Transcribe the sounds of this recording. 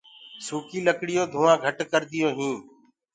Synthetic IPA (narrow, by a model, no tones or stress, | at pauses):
suːkiːləkɽɪjoːd̪ʱuːãːɡʱəʈkəɾd̪ɪjõːɦũː